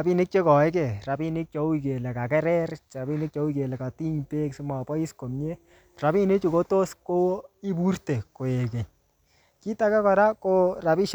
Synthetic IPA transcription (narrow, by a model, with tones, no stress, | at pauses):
api˦nɪ˦k̚t͡ʃe˦kɔ˨ɛ˦k̬ɛ˨ɾa˨pi˦nɪ˦k̚t͡ʃɔ˨˦u˦ike˨lɛ˨ka˨kɛ˦ɾɛ˦ɾa˨pi˦nɪ˦k̚t͡ʃɔ˧˦u˦ke˨lɛ˨ka˨ti˦ɲpe˦ksɪ˦ma˨pɔ˦i˦sko˨mɲe˦ | ra˨bi˦ne˦t͡ʃu˨ko˦to˦sko˦i˦bu˦rte˨ko˨e˨kɛ˨ɲ | ki˦ta˦kɛ˦kɔ˨ɾa˦ko˦ra˨pi˦ʃ